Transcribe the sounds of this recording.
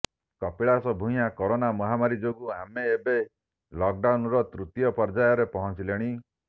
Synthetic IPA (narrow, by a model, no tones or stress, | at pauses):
kɔpiɭasɔbʱũj̃akɔɾonamɔɦamaɾid͡ʒoɡuɦameːbe | lɔk̚ɖawnɾɔt̪ɾut̪ijɔpɔɾd͡ʒajɔɾepɔɦɔnt͡ʃileɽ̃i